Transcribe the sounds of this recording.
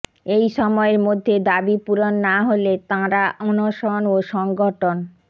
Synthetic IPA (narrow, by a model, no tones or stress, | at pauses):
ejʃɔmɔeɾmod̪ʱːed̪abipuɾonːaɦolet̪ãɾaʔɔnoʃonoʃɔŋɡoʈʰon